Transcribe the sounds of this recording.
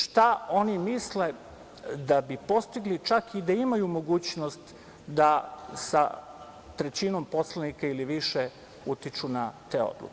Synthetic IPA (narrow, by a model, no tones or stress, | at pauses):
ʃt̪ao̞nimisle | d̪abipo̞st̪iɡlit͡ʃakid̪aimajumo̞ɡuːt͡ɕnost̪ | d̪asa̰ | t̪ɾet͡ɕino̞mpo̞slanikailiʋiʃe | ut̪it͡ʃunat̪eo̰d̪lˠṵke